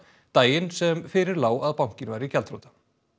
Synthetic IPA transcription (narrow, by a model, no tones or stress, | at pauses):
t̪aːjɪnsɛmfɪɾɪɾlaːwaðpawŋ̥cɪnvaːjɾɪicɛlt̪ɾoːt̪ḁ